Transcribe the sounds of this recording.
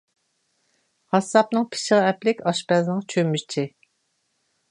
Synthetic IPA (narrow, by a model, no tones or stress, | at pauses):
hɑsːɑp̚nɨŋpʰɪ̥ʃəʁɑɛplɪkʲɑʃpɛznɨŋt͡ʃʰømːyʃt͡ʃʰɪ